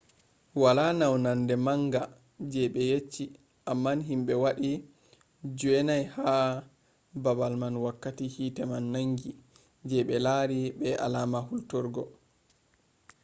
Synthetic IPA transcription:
walanawnandɛmaŋɡa | d͡ʒɛɓɛjet͡ʃːi | ʔamːanɦimɓɛwaɗi | d͡ʒuɛnajha | babalmanwakːatihiːtɛmanːaŋɡi | d͡ʒɛɓɛlaɾiɓɛʔa̰laːmahultɔɾɡɔ

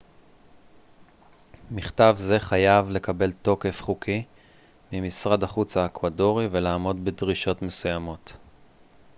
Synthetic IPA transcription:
miχtavze̞χajavle̞kabe̞lto̞ke̞fχukʰi | mimisʁadaχut͡saekvado̞ʁive̞laːmo̞dbedʁiʃo̞tme̞sujamo̞t

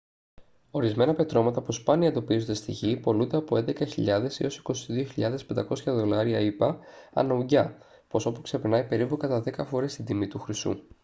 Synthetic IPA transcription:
o̞ɾizme̞nɐpe̞t̪ɾo̞mɐt̪ɐpuspɐniɐend̪o̞pizond̪est̪iʝipo̞lund̪e̞ɐpo̞e̞nd̪e̞kɐçiʎɐðe̞sḭo̞si̥ko̞siðio̞çiʎɐðe̞spend̪ɐko̞sçɐðo̞lɐɾiɐipɐɐ̰nɐuɟɐ | po̞so̞pukse̞peɾnɐipe̞ɾipukɐt̪ɐðe̞kɐfo̞ɾe̞st̪ind̪imit̪uxɾist̪ṵ

